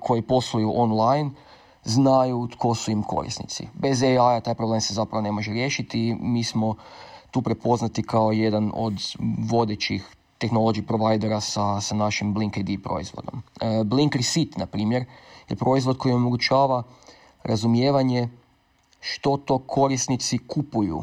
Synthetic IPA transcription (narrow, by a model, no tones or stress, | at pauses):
kʰo̞jipo̞slˠojuʔonlˠajn | znajut̪kʰo̞suimkʰo̞̰ɾḭsnḭt̪sḭbe̞zeajat̪aːjpɾoble̞msezapɾaʋo̞ne̞mo̞ʒeɾje̞ʃit̪imiːsmo̞t̪uːpɾepo̞znat̪ikʰao̞je̞d̪ano̞̰d̪ʋo̞d̪et͡ɕix | t̪e̞xnolˠo̞ɡiipɾoʋajd̪eɾasasanaʃimbliŋkejd̪ipɾo̞̰ḭzʋo̰d̪ombliŋkɾisit̪napɾiːmjeɾjepɾo̞izʋo̞d̪ko̞jio̞moɡut͡ʃaːʋa | ɾʔazumje̞ːʋaɲe̞ | ʃt̪o̞t̪o̞kʰo̞ɾisnit̪sikupujṵ